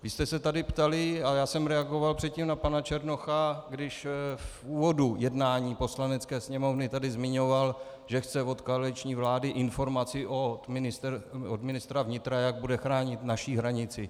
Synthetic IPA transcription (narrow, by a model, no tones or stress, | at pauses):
vɪst̪ɛsɛt̪adɪpt̪alɪajaːsɛmɾɛaɡo̞valpr̥ɛt̪̚ciːmnapanat͡ʃɛɾno̞xaɡdɪʃf | uːvo̞dujɛdnaːɲiːpo̞slanɛt͡skɛːsɲɛmo̞vnɪt̪adɪzmɪɲo̞val | ʒɛxt͡sɛvo̞t̪koalɪt͡ʃɲiːvlaːdɪʔɪnfo̞ɾmat͡sɪʔomnɪst̪od̪mɪnɪst̪ɾavɲɪt̪ɾajaɡ̚budɛxɾaːɲɪt̪naʃiɦɾaɲɪt͡sɪ